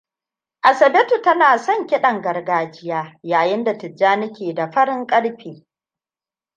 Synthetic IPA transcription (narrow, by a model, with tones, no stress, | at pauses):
ʔa˨sɐ˨bɛ˦tu˨tɐ˦naː˨sɔ˦˨ŋkʲɪ˦ɗɐ˨ŋɡɐ˨rɡaː˦d͡ʒɪ˦jaː˦jaː˨jɪ˦nda˨tɪ˨d͡ʒːaː˦nɪ˦kʲeː˨da˨ɸɐ˦ɽɪ˦ŋkʼɐ˦ɽɸiː˨